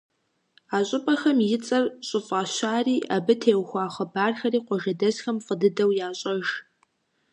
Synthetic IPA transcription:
aːɕʼʊpʼɐxɐmjɪt͡sʼɐrɕʼʊfʼaːɕaːriːʔabɨtʰeːwxʷɑːχɐbaːrxɐriːqʷɔʒɐdɐzxɐmfədɨdɐwjaːɕʼɐʒ

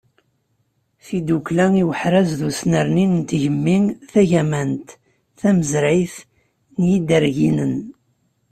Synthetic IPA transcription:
θid̪uklæŋiwəħɾæzðusnəɾninənt̪ʝəmːiŋθæʝæmænt̪ | θæməzɾijθ | njid̪əɾʝinən

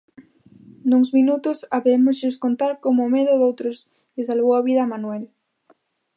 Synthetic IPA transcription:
nuŋzminut̪ʊsaβemʊzʝʊskont̪aɾkomʊːmeðʊðowt̪ɾʊs | kɪsalβowaβiðɐmanuel

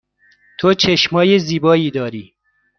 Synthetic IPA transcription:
t̪ʰot͡ʃʰeʃmɒːjeziːbɒːiːd̪ɒːɾiː

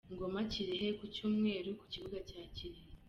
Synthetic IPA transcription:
ŋɡo̞maciɾiɦekucuːmŋe̞ːɾuku̥ciβuɡacaːciɾihe

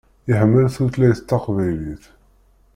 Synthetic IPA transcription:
əhəmːəlθuθlæjt̪ːɑqvæjliθ

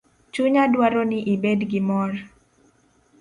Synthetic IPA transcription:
t͡ʃuɲadwaɾonɪʔibɛdɡɪmɔr

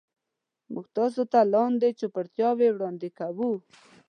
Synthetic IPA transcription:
məɡt̪ɑs̬ot̪alɑnd̪et͡ʃopəɾt̪jɑwewɽɑnd̪ekawu

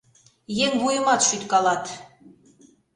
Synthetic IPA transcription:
jeŋβujəmɑt̪ʃyt̪kɑlɑt̪

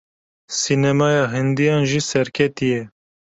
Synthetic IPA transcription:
sinɛmɑːjɑːɦɪnd̪ijɑːnʒiːsɛɾkʰɛt̪ijɛ

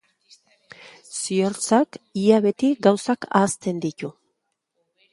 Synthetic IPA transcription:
sioɾt͡sakiaβe̞t̪iɡawsaka̰ːst̪e̞nd̪it̪u

